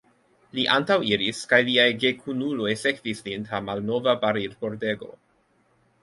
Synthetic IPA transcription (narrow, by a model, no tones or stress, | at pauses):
liʔantawiɾiskajliajɡekʰunulo̞jsekvislintamalno̞vabaɾidpoɾdeɡo̞̰